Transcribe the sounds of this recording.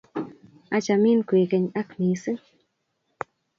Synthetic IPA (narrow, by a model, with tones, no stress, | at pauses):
a˦t͡ʃa˨mi˦nkʷi˨ke˧ɲa˦kmi˧sɨ˦ŋ